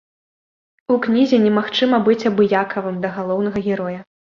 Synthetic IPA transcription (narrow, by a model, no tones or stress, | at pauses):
uknʲizʲɛnʲɛmaxt͡ʂɨmɐbɨt͡sʲɐbɨjakʰɐvɨmd̪ɐɣalˠɔwn̪ɐɣɐɣʲɛɾɔjɐ